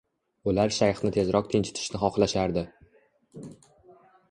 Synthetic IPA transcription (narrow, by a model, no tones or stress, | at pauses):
ʊlaɾʃajχnɪt̪ʰe̞zɾɒq̚t̪ʰɪnt͡ʃʰɪ̥t̪ʰɪ̥ʃnɪχɒχlaʃaɾd̪ɪ